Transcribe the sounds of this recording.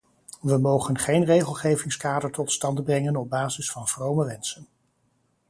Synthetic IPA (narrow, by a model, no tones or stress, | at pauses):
ʋəmowχənχejnrejχəlˠχejvɪŋskaːdəɹtɔtstɑndbrɛŋənɔb̚baːzɪsfɑnvrowməʋɛnsən